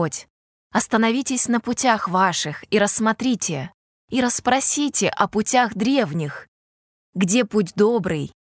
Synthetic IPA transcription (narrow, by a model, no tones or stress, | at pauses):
otʲ | ɐst̪ənɐvʲitʲɪsʲnəpʊtʲaxvaʂɨxiɾəsːmɐt̪ɾʲitʲɪ | iɾəspɾɐsʲitʲɪʔɐpʊtʲaɣd̪ɾʲe̞vnʲɪx | ɡdʲe̞putʲd̪obɾɨj